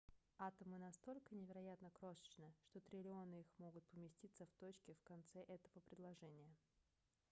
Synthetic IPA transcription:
at̪əmɨnɐst̪o̞lʲkənʲɪvʲɪɾɐjat̪nəkɾo̞ʂə̥t͡ɕnɨʂt̪o̞t̪ɾʲɪlʲɪo̞nɨixmo̞ɡʊt̪̚pəmʲɪsʲtʲit̪səft̪ot͡ɕkʲɪfkɐnt̪sɛʔɛt̪əvəpɾʲɪd̪lˠɐʐɛnʲɪjə

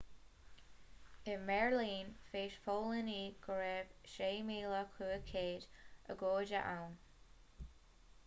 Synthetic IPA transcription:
ɪmɛɹliːnfeːʃfoːləniːɡ̥əɹɛv̥ʃeːmiːləkʰuːəkʰeːdʔə̰ɡoːdə̰ʔawn

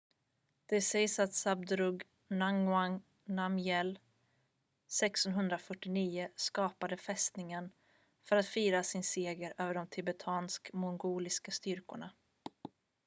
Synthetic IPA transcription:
d̪̥ɛsɛjsat̪sab̚d̪ɾɵɡ | naŋa | namjɛl | sɛksɔnɦɵnd̪ɾafœʈːɪniːʊskɑːpad̪əfɛst̪nɪŋən | fœɾat̪fiːɾasɪnseːɡəɾøːvəɖɔmt̪ʰɪbɛt̪ʰɑːnskmʊnɡuːlɪskast̪ʏɾkʊ̰ɳa

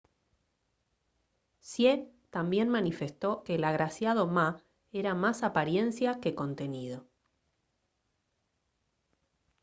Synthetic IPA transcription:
sje | t̪ambje̞nmanife̞st̪o̞ke̞ːlaɣɾasjað̞o̞ma | eɾamasapaɾje̞nsjake̞ko̞nt̪e̞nið̞o̞

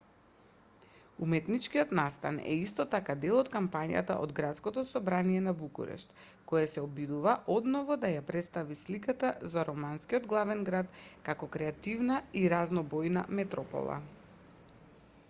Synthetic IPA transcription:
umɛt̪nit͡ʃkiɔt̪nast̪a̰nɛ̰ist̪ɔt̪akad̪ɛlˠɔt̪kampaɲa̰t̪a̰ʔo̰d̪ɡɾat̪skɔt̪ɔsɔbɾaniɛnabukṵɾɛ̰ʃt̪ | kɔjasɛɔbid̪uvaʔɔd̪nɔvɔd̪ajapɾɛt̪st̪avislikat̪azaɾɔmanskiɔd̪ɡlˠavɛnɡɾat̪kakɔkɾɛat̪ivnaiɾaznɔbɔjna̰mɛt̪ɾɔpɔ̰lˠa̰

